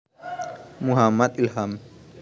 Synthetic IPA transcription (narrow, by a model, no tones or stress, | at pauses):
muɦɐmːɐd̪ilhaːm